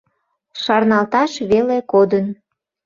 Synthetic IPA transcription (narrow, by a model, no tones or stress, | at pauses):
ʃɑrnɑlt̪ɑʃβelekod̪ən